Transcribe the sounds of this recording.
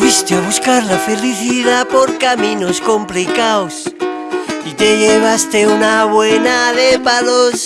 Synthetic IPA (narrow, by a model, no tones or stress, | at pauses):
fist̪eaβ̞uskaɾlafe̞liθiðapo̞ɾkamĩno̞sko̞mplikaos | it̪e̞ʝeβ̞ast̪eunaβwenaðepalos